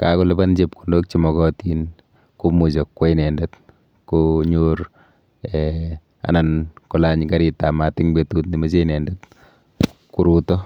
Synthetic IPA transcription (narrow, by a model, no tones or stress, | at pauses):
kakʊlɛband͡ʒep̚ku̥ndok̚t͡ʃimɔkɔtiːn | kumud͡ʒɔkwɛjnɛndɛt | koɲoːɾ | ɛ | a̰nankɔlaɲkaɾitamatɪŋbetutnimɐt͡ʃenɛndɛt | kuɾutɔ